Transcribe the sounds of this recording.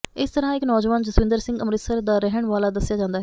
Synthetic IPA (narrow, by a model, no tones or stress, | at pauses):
ɪst̪əɾãːɪknɔːd͡ʒʋaːnd͡ʒəsʋɪ̃nd̪əɾsɪ̃ŋɡəmɾɪt̪səɾd̪aːɾɛɦəɳʋaːlaːd̪əsɪjaːd͡ʒãːnd̪aːɦɛ